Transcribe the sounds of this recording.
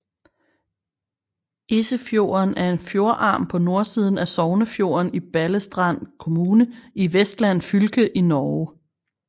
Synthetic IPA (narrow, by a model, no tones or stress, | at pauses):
ʔesəfjo̝̰ɐnæɐe̝nfjo̝ɐʔɑ̈ːmpʰɒ̽no̝ɐsiːð̞ˠn̩æsɒʊnəfjo̝̰ːɐnib̥æləsd̥ʁɑn̰kʰo̝muːnəiʋesd̥læn̰fylɡ̥əʔinɒ